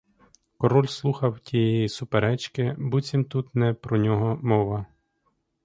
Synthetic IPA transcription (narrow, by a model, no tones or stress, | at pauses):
kɔɾɔlʲslˠuxɐwtʲijejisʊpeɾɛt͡ʃkɪbut͡sʲimt̪ut̪nɛpɾɔnʲɔɦɔmɔʋɐ